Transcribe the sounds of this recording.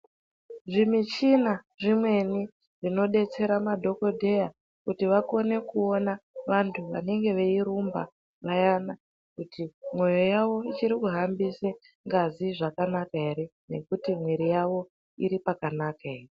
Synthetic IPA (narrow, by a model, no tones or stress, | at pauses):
ʐimit͡ʃinaʐimwe̞ni | ʐino̞ɗe̞t͡se̞ɾamadʱo̞ko̞dʱe̞ja | kutiʋako̞ne̞kuo̞naʋantʰuʋa̰ne̞ŋɡe̞ʋe̞iɾumba̰ | ʋajana | kutʰimwo̞jo̞jaʋo̞it͡ʃiɾikuɦambise | ŋɡaziʐakanakae̞ɾene̞kutimweɾijaʋo̞ | ḭɾipakanakaere